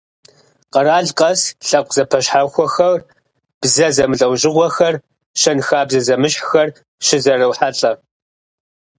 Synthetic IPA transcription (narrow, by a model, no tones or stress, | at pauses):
qɐɾaːɮqʼɐsɬɐqʷʼz̥ɐpʰɐɕħaxʷɔxɐr | b̥zɐzɐmɨɬʼɐwʑɪʁʷɔxɐr | ʃɐnxaːbzɐzɐmɨɕħxɐr | ʃɪzɐrɐwħaɬʼɐ